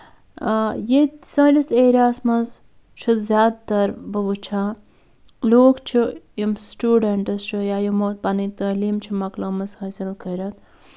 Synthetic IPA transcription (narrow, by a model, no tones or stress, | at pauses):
jesɐliseːɾaːsmɐz | t͡ʃʰuzʲjaːd̪t̪ɐɾbɨbɨt͡ʃʰa | loːkt͡ʃʰijimsʈuːɖɐɳʈɐst͡ʃʰujaːjumot̪̚pɐnit̪ɐliːmt͡ʃʰimɐklɐmɐshɐsilkʰɐɾɐt̪